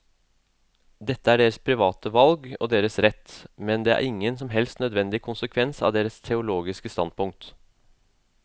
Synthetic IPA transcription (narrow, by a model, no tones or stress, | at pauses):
d̪ɛt̪ːəæɖeːɾəspʰɾɪʋɑːt̪əʋɑlɡɔ̰ːd̪eːɾəsɾɛt̪ːmɛnd̪eːæ̰ːɾʔɪŋːənsɔmɦɛlst̪nœd̪ʋɛnd̪ɪkʰʊnsəkʰʋɛnsɑ̰ʋd̪eːɾəst̪ʰɛʊloːɡɪskəst̪ɑn̚pʊŋk̚t̪